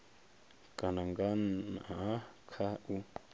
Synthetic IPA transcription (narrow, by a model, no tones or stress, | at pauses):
kʼanaŋɡaakʰau